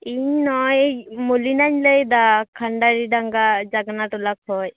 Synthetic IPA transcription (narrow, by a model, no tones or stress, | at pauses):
iɲnɔjmulinaɲləjd̪akʰaɳɖaɾiɖaŋɡad͡ʒaɡnaʈɔlak̚hɔj